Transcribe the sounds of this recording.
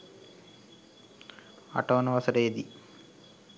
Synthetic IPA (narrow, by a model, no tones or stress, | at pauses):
a̰ʈoːnɐʋɐsɐɾeːd̪i